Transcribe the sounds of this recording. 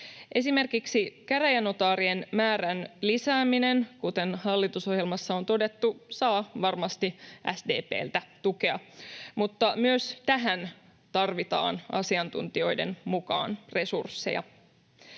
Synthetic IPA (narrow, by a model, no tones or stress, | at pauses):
ʔe̞sime̞rkiksikæɾæjæno̞t̪ɑːɾienmæːɾænlisæːminenkut̪e̞nhɑlːit̪uso̞ɦjelmɑsːɑo̞nt̪o̞de̞t̪ːusɑːʋɑrmɑst̪iʔæsde̞̰ːpḛːlt̪æt̪uke̞ɑmut̪ːɑmyøst̪æɦæn | t̪ɑrʋit̪ɑ̰ːnʔɑ̰siɑnt̪ṵnt̪io̞jde̞̰nmukɑ̰ːnre̞sursːe̞̰jɑ̰